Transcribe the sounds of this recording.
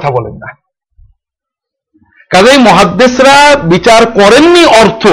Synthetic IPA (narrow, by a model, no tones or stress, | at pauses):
t̪ʰabɔlḛnːa | kalejmɔɦad̪ːesɾabit͡ɕaɾkɔɾenːiʔɔɾt̪ʰo